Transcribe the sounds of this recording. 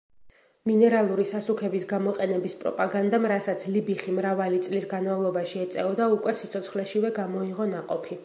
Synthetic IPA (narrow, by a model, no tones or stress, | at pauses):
minɛɾalˠuɾisasukʰɛbisɡamɔqʼɛnɛbispʼɾɔ̰pʼaɡand̪amɾasat̪sʰlibiχimɾavalit̪sʼlisɡanmavlˠɔbaʃiɛt̪sʼɛɔd̪aukʼwɛsit̪sʰɔt̪sʰχlɛʃivɛɡamɔiʁɔnaqʼɔpʰi